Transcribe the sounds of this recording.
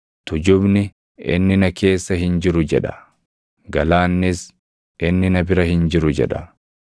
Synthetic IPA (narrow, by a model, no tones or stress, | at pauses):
t̪ʊd͡ʒʊbnɪ | ɪ̰nːɪnɐkʰe̞ːsːɐhɪnd͡ʒɪɾʊd͡ʒɛᶑɐ̥ | ɡɐlaːnːɪs | ʔɪnːɪnɐbɪɾɐhɪnd͡ʒɪɾʊd͡ʒɛ̰ᶑɐ